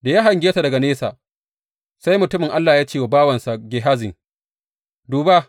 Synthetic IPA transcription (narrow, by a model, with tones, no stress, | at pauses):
da˨ja˦ɦa˨ŋɡʲeː˦sa˨dɐ˨ɡa˨neː˦sa̰˨ | sa˦jmʊ˨tʊ˦mɪ˨ŋʔa˦lːaː˨jaː˦t͡ʃeː˦wa˨baː˦wɐ˨nsa˨ɡʲe˨ɦaː˦zɪ˨ŋ | duː˨ba˦